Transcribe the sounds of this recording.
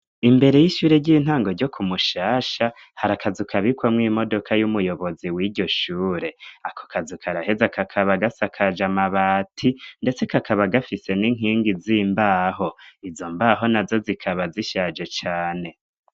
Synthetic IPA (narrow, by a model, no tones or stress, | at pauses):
imbe̞ɾe̞jiʃuːɾe̞ɟiːn̥ɦaːŋɡo̞ɾɟo̞kʰumuʃaːʃa | haɾakʰazukʰaβikwamŋiːmo̞do̞kʰajumujo̞βo̞ziwiːɾɟo̞ʃuːɾe̞akʰo̥kʰazukʰaɾahe̞zakʰakʰaβaɡasakʰad͡ʒamaβaːtʰinde̞t͡se̞kakʰaβaɡafise̞niŋ̥iːŋɡiziːmbaːɦo̞izo̞mbaːɦo̞nazo̞zikʰaβaziʃaːd͡ʒe̞t͡ʃaːne̞